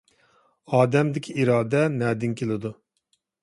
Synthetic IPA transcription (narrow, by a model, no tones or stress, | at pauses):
ɑːd̪ɛmd̪ɪkʲʰiiɾɑːd̪ɛnɛːd̪ɪŋkʲʰelˠɪd̪u